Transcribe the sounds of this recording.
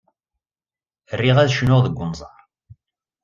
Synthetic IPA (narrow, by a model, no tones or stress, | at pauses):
ərːiʁæðʃnʊʁðəɡʷːʊnzˤɑɾˤ